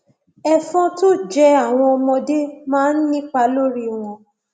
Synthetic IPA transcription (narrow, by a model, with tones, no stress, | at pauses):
ɛ˦fɔ̃˦to˦d͡ʒɛ˦a˦˨w̃ɔ̃˧ɔ˧mɔ̃˧de˦mãː˦n̩˦nĩ˦k͡pa˧˦lo˦ɾi˦o˨w̃ɔ̃˧